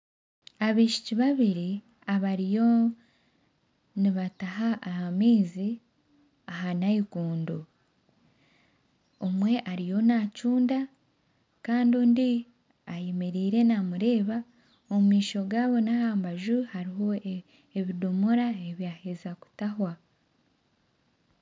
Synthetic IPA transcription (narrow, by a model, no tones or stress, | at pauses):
aβiʃi̥ciβaβiɾi | aβaɾijo̞ | niβataɦaʔːhamiːzi | ahanaikuːndo | omwe̞ʔaɾijo̞nacuːnda | kaːndundi | ajemeɾiːɾe̞namuɾe̞ːβa | omumiːʃo̞ɡaːβo̞nahaːmbaʒuhaɾiɦo̞ | e̞βidumuɾaeβjaːhezaku̥tahwa